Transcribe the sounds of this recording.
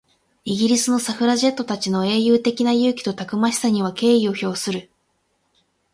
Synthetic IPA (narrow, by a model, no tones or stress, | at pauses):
iɡʲiɾʲisɨno̞saɸɯ̟ɾaʑe̞t̪ːo̞t̪at͡ɕino̞e̞ːjɯːt̪e̞kʲinajɯ̟ːkʲi̥t̪o̞t̪akɯ̟maɕi̥saɲ̟iβ̞ake̞ːio̞ço̞ːsɨɾɯ̟